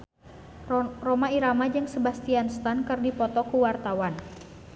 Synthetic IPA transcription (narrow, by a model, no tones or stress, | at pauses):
romaiɾamad͡ʒɨŋsəbast̪ianst̪ankɨrdipɔt̪ɔkuwart̪awan